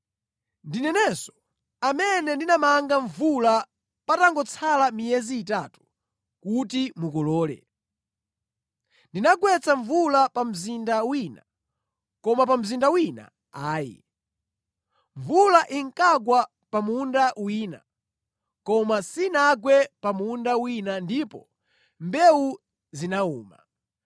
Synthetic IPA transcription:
ndinɛnɛsɔ̥ | amɛnɛndinamaŋɡaɱvula | pataŋɡɔt͡sʰalamijɛziːtatu̥ | kutimukɔlɔːlɛ̰ | ndinaɡwɛt͡sʰaɱvulapam̩zindawina | kɔmap̬am̩zindawina̰ | aːjḭ | ɱvulaʔiŋkaɡwa | pamundawiːna̰ | kɔmasinaɡwɛpamundawinandipɔ | mbɛu | zinauːma

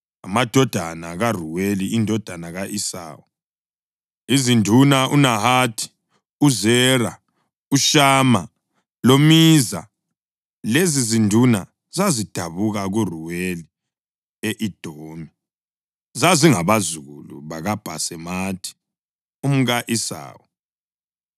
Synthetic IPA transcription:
a̰mad̥ʱɔd̥ʱanaɣaruweliindʱɔd̥ʱanaɣaʔisa̰ːwɔ | izindʱunaʔunaɦaːtʰi̥ | uzɛra | uʃaːma | lomiza̰ | lezizindʱuna̰ | zazid̥ʱaβuɣaɣuruweli | eʔid̥ʱoːni | zaziŋaβazuɣṵlṵβaɣab̥ʱa̰sɛmaːtʰi̥ | um̩ɣaʔisa̰ːwɔ

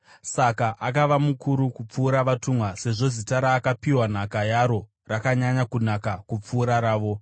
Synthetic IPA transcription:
sakaʔakaʋamukʰuɾukup͡fuːɾaʋatumwase̞ʐo̞zitaɾaːkapiwan̤akajaɾo̞ | rakaɲaɲakun̤akakup͡fuːɾaɾaːʋo̞

